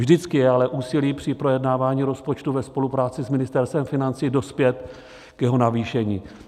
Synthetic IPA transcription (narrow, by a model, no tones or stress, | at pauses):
ʒdɪt͡skɪjɛalɛʔuːsɪliːpr̝̥ɪpɾo̞jɛdnaːvaːɲiːɾo̞spot͡ʃt̪uvɛspo̞lupɾaːt͡sɪsmɪnɪst̪ɛɾst̪ɛmfɪnant͡siːdo̞spjɛt̪ | kjɛɦo̞naviːʃɛɲiː